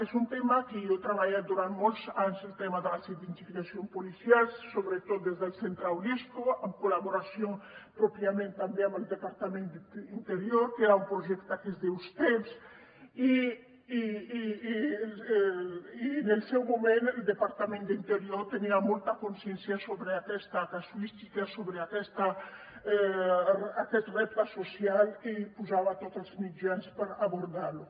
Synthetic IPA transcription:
esunt̪emakeowt̪ɾaβaʎat̪̚d̪uɾant̪molsanselt̪emaðelasid̪ent̪ifikasjompolisjalsoβɾet̪ot̪̚d̪ezðelsent̪ɾawliskoamkolaβoɾasjoŋpɾopɾjamẽnt̪ambeaməld̪epaɾt̪amẽnd̪int̪eɾjoɾkeɾaumpɾoʒekt̪akezðeust̪ems | i | inelsɛwmumenəld̪epaɾt̪amend̪int̪eɾjoɾt̪eniamolt̪akonsjɛnsjasoβɾeakɛst̪akasuist̪ikasoβɾeakɛst̪a | akɛt̪rɛp̚t̪asosjalipuzaβat̪ot̪əlzmid͡ʒanspəɾaβoɾðalu

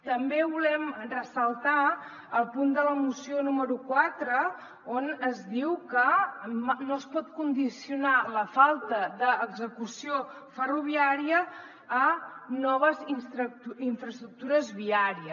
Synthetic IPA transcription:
t̪əmbeβulɛmrəsəlˠt̪a | əlˠpund̪ələmusionuməɾukwat̪ɾə | onəzðiwkəmnoəspɔt̪kund̪isiunaləfalˠt̪əðəːɡzəkusio | fəruβ̞iaɾiəː | nɔβəzinsɾiɱfɾəst̪ɾuk̚t̪uɾəzβiaɾiə

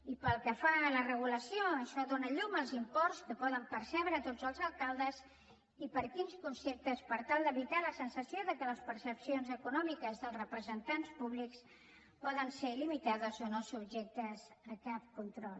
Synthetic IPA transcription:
ipəlˠkəfalərəɣuləsioəʃɔðonəʎuməlˠzimpɔrskəpɔðəmpəɾsɛβɾəːt̪ozəlˠzəlˠkalˠd̪əz | ipəɾkinskunsep̚t̪əspəɾt̪alˠd̪əβit̪aləsənsəsioðəkələspəɾsəpsionzəkunɔmikəzðəlˠrəpɾəzənt̪anspuβliks | pɔðənselimit̪aðəsonosub̚ʒek̚t̪əzəkap̚kunt̪ɾɔlˠ

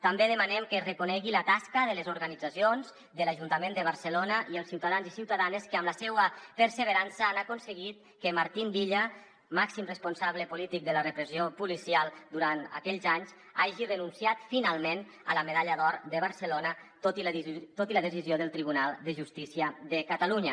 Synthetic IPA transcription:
t̪ambeðəmanɛmkərəkunɛɣilət̪askəðələzuɾɣənid͡zasionz | d̪əlaʒunt̪əmend̪əβ̞əɾsəlonəʔiəlˠsiwt̪aðanzisiwt̪aðanəskəəmləsɛwəpəɾsəβəɾansəanakunsəɣit̪̚ | kəmaɾt̪imbiʎə | maksimrəspunsaβləpulit̪ik̚d̪ələrəpɾəziopulisialˠd̪uɾant̪ə̰kɛʎzaɲz | aʒirənunsiat̪finalˠmen | ə̰ləməðaʎəðɔɾd̪əβ̞əɾsəlonət̪ot̪it̪ot̪iləðəsizioðəlˠt̪ɾiβunalˠd̪əʒust̪isiəðəkət̪aluɲə

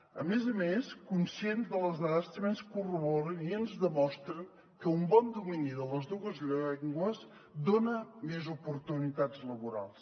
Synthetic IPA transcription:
ə̰mezəmeskunsienzðələzðaðəst̪əmenskuruβɔɾəniənzðəmɔst̪ɾən | kəumbɔnd̪uminiðələzðuəzʎɛŋɡwəz | d̪onəmezupuɾt̪unit̪azləβuɾa̰lˠs

